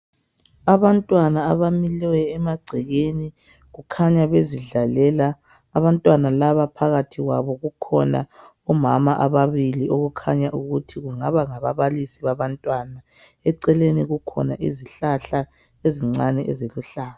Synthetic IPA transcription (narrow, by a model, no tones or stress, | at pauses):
aβantʼwanaːβamilɛwɛɛmaɡ͡ǀʱɛɣeni | ɣukʰaɲaβeziɮalɛlaː | βantʼwanalaβapʰaɣatʰiɣwa̰βɔɣukʰɔna̰ | ɔmamaʔaβaβiliʔoɣukʰa̰ɲaʔuɣutʰiɣuŋaβaŋaβaβalisiβaβantʼwana | ɛǀɛleniɣukʰɔ̰na̰ʔḭziɬaɬa | eziŋ͡ǀanɛʔɛ̰zeluɬaːlɔ